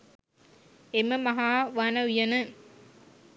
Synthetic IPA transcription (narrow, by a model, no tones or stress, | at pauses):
emɐmɐɦaːʋaːnɐujɐnɯ